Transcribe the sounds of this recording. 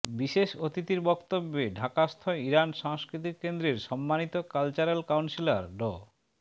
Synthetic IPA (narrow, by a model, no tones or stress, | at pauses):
biʃeʃot̪it̪iɾbɔkt̪obːeɖʱakast̪ʰoiɾanʃaŋskɾit̪ikkend̪ɾeɾʃɔmːanit̪okalt͡ɕaɾelkawnsilaɾɖɔ̰